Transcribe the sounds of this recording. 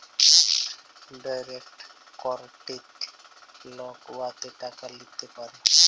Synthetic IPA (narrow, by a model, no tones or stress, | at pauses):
dajrɛkt | kɔrtet | lɔkwat̪ɛtʼakalɪt̪ɪpan